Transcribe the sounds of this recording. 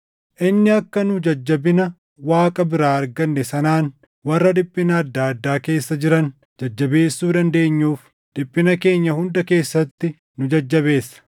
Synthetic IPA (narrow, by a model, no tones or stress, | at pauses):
ʔɪnːɪɐkːɐnʊd͡ʒɐd͡ʒːɐbɪnɐ | waːkʼɐbɪɾaːɐɾɡɐnːɛsɐnaːn | wɐrːɐd̪ɪpʼːɪnɐːd̪ːaːɐd̪ːaːke̞ːsːɐd͡ʒɪɾɐn | d͡ʒɐd͡ʒːɐbe̞ːsːuːd̪ɐnd̪e̞ːɲːuːf | d̪̥ɪpʼːɪnɐke̞ːɲːɐhʊnd̪ɐke̞ːsːɐt̪ːɪ | nʊd͡ʒɐd͡ʒːɐβe̞ːsːɐ̥